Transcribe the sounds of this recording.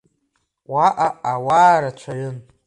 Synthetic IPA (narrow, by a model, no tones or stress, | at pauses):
waʔaawaːɾat͡ʃʷʰajɨn